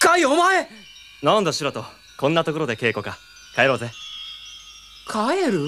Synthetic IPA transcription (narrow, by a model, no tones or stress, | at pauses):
kaiomae | nãnd̪aɕiɾat̪o | kõ̞nːat̪o̞ko̞ɾo̞d̪e̞ke̞ːko̞ka | kaeɾo̞ːze | kʰaeɾɯ̟